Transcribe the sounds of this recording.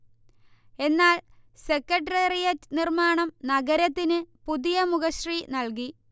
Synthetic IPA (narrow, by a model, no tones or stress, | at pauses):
e̞nːaːlse̞kːɐʈrɐrijɐtːnirmaːɳɐmnɐɡɐɾɐt̪ːinɨpuðijɐmuɣɐɕrinɐlki